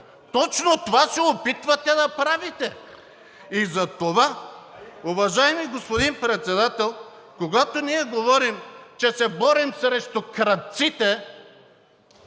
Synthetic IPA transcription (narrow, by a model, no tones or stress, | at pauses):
t̪ɔt͡ʃnot̪ovasɛopit̪vɐt̪ɛd̪ɐpɾavit̪ɛ | izɐt̪ova | ovɐʒaɛmijɡospod̪inpɾɛt̪sɛd̪at̪ɛlˠ | koɡat̪oniɛɡovɔɾimt͡ʃɛsɛbɔɾimsɾɛʃt̪okɾɐt̪̚t̪sit̪ɛ